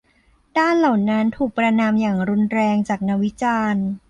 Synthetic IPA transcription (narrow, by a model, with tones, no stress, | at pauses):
daː˥˩nla˨˩wna˦˥nt̪ʰuː˨˩k̚pɾa˧naː˧mjaː˨˩ŋɾu˧nɾɛː˧ŋt͡ɕaː˨˩k̚na˦˥wi˦˥t͡ɕaː˧n